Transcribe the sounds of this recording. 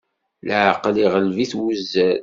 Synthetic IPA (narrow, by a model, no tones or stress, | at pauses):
ləʕqliʁəlviθwəzːæ